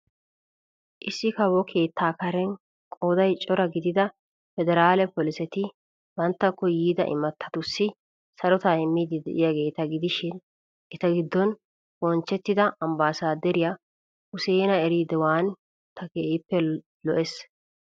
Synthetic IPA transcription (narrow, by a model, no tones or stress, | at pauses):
ʔɪsːɪkɐbɔkʰe̞ːt̪ːaːkɐɾɛn | kʼoːd̪ɐjt͡ʃʼɔɾɐɡɪd̪ɪd̪ɐ | fɛd̪ɛɾaːlɛpɔlɪsɛt̪ɪ | bɐnt̪ːɐkːɔjiːd̪ɐ̰ʔɪ̰mɐt̪ʰːɐ̥t̪ʊsːɪ | sɐɾɔt̪aɪmːid̪ɪd̪ɛ̰ʔɪjɐɡe̞ːt̪ɐɡɪd̪ɪʃɪn | ʔɛt̪ɐɡɪd̪ːɔn | bɔnt͡ʃːɛt̪ːɪd̪ɐɐmbaːsaːd̪ɛɾɪjɐ | ʊseːnɐɛɾiːd̪ɛwaːn | t̪ɐkeːʔɪpːɛ | lɔ̰ʔɛs